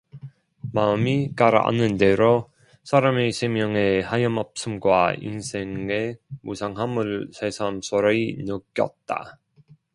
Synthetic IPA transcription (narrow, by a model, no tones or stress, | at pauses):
maɯmik͈aɾa̰nɯndeɾo | sʰaɾamesʰemjʌŋe̞hajɯmʌp̚s͈ɯmɡwaḭnsʰeŋemusʰaŋɦamɯɭsʰe̞sʰamsʰoɾeinɯk͈jʌ̰t̚t͈a̰